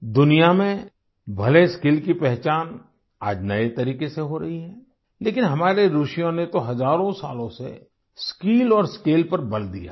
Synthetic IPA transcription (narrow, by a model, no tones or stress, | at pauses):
d̪ʊnijamẽ | bʱɐleskiːlkipɛɦt͡ʃaːn | a̰ːd͡ʒnɐet̪ɐɾiːkeseɦoɾɐɦiɦɛː | leːkɪnɦɐmaːɾeɾuʃjõnet̪oɦɐzaːɾõsaːlõsḛ | skiːlɔːɾskeːlpɐɾbɐld̪ḭja̰